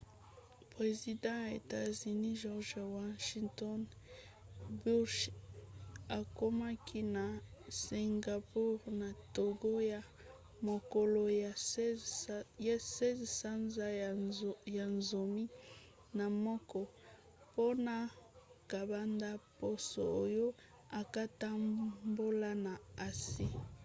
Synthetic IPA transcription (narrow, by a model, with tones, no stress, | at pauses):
pʁe˨zi˨dɑ̃˦ja˨ḛ˨ta˦zi˨ni˦ʒɔ˦ʁʒwa˦ʃi˦ŋtɔ˦n | bu˦ʃ | a˨ko˦ma˦kʰi˦na˨si˨ŋɡa˨pu˦ʁna˨to˨ɡo˦ja˨ | mo˨ko˨lo˨ | ja˦sɛ˦zsa˦nza˦ | ja˨nzo˨mi˦ | na˨mɔ˦kɔ˦ | po˦na˨ka˨ba˦nda˦po˦so̰˨o˦jo˦ | a˨ka˦ta˦mbo˦la˦na˨a˨si˦